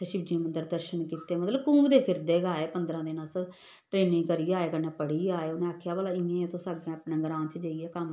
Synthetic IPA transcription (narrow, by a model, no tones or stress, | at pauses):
ʃɪb̚d͡ʒẽːmənd̪əɾd̪əɾʃənkiːt̪eːmət̪ləbkũːbd̪eːpʰɪɾd̪eːɡaːeːpənd̪ɾãːd̪eːnas | ʈɾeːnɪ̃ːkəɾiːaːeːkənẽːpəɽiːaːeːʊnẽːaːkʰjaːʋaːlaːɪẽːet̪ʰõːsaːɡẽːapnẽːɡɾãːt͡ʃd͡ʒəːiːɛːkəm